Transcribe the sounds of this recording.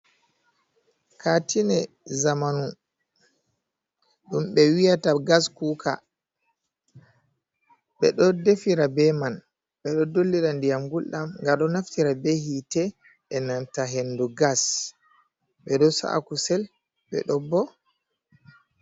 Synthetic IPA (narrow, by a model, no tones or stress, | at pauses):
kʰatʰinɛ | zamanu | ɗumɓɛwijataɡaskukʰa̰ | ɓɛ̰ɗɔdefiɾabɛman | ɓɛɗɔdolːiɾandijamɡulɗamŋɡaɗɔnaftiɾabehitɛ | ʔɛnantaɦenːduɡas | ɓɛɗɔsa̰ʔa̰kusɛl | ɓɛ̰ɗɔbɔ